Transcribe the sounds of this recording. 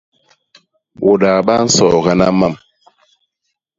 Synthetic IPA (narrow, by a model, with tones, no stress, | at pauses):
ʔo˨ɗa˨ɓa˦n̩˦sɔ˨ɣa˦na˦ma˦˨m